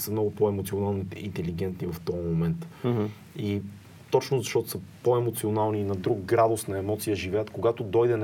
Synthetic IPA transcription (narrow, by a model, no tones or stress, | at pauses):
səmnɔɡʊpoɛmot̪sionalˠnoḭnt̪ɛliɡɛnt̪nivɐft̪ɔmomɛnt̪ | i | t̪ɔt͡ʃnʊzɐʃt̪ɔt̪ʊ̥səpoɛmot̪sionalˠniːnɐd̪ɾuɡɡɾad̪osnɐɛmɔt̪sijəʒivɛjət̪koɡat̪od̪ɔjd̪ɛn